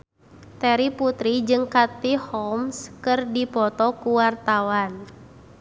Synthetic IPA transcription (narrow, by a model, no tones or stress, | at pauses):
t̪ɛɾiput̪ɾid͡ʒɨŋkat̪ihɔmskɨrdipɔt̪ɔkuwart̪awan